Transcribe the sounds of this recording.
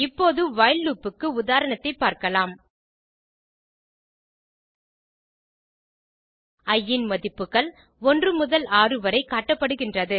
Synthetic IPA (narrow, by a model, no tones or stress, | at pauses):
ɪpːoːðɯʋɐjɐlːuːpːɯkːɯʊðaːɾɐnɐt̪ːɐɪpːaːɾkɐlaːm | ɐjːɪnmɐðɪpːɯɣɐɭ | ɔndrɯmʊðɐlaːrɯʋɐɾɐɪkːaːʈːɐpːɐɽɯɣɪndrɐðɯ